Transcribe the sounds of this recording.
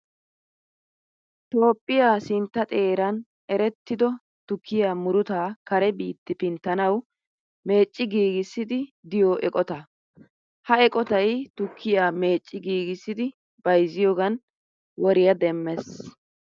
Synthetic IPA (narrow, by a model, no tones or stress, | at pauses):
t̪o̞ːpʼːɪjaːsɪnt̪ːɐt̪ʼe̞ːɾɐn | ɛɾɛt̪ːɪd̪ɔ | t̪ʊkʰːɪjaːmʊɾʊt̪aːkɐɾɛbiːt̪ːɪpɪnt̪ːɐnɐw | me̞ːt͡ʃʼːɪɡiːɡɪsːɪd̪ɪd̪ɪjoːʔɛkʼɔt̪ɐ | hɐɛkʼɔt̪ɐjt̪ʊkʰːɪjaːme̞ːt͡ʃʼːɪɡiːɡɪsːɪd̪ɪ | b̥ɐjzɪjoːɡɐn | wɔɾɪjɐd̪ɛmːɛs